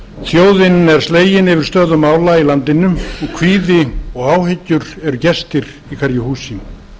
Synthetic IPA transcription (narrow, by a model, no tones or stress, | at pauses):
θjoːwðɪnɛɾ̥st̪leːjɪnɪvɪɾ̥st̪œːðʏmːaːwlailant̪ɪnʏmɔɣkʰviːðɪɔɣaːwɦɪcːʏɾɛɾʏcɛst̪ɪɾ̥ | ikʰvɛɾjʏhuːsɪm